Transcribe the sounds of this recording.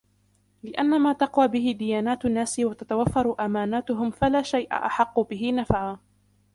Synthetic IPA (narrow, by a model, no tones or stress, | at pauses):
lɪʔanːamaːt̪ɑqwaːbɪɦɪd̪ɪjaːnaːt̪anːaːsɪwat̪at̪awafːɑɾˤʔamaːnaːt̪ʊɦʊmfalaːʃajʔa̰ʔa̰ħɑqːʊbɪɦɪnafʕaː